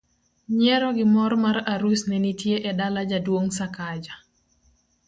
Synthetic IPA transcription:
ɲɛɾɔɡɪmɔɾmaɾaɾusnɛnitjeʔɛdalad͡ʒadwoŋsakad͡ʒa

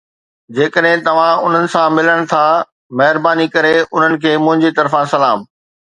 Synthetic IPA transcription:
d͡ʑeːkəɗɦɪ̃t̪ɐʋ̤ãʊn̤ənɪ̆sãmɪləɽ̃t̪ʰa | mɐɦɪɾbaːnikɐɾeʊn̤ənɪ̆kʰeːmʊ̃ɦɪ̃ɲd͡ʑit̪ɐɾfãsɐlaːm

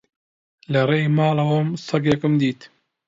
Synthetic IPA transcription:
lɐrejmɑːlɐwɐmsɐɡjɐkɨmd̪iːt̪

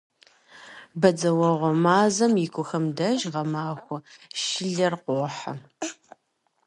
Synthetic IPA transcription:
bɐd͡zɐwɔʁʷɔmaːzɐmjɪkʷʰʼʊxɐmdɐʒʁɐmaːxʷʊʃɪɮɐrqʷoːħa̰

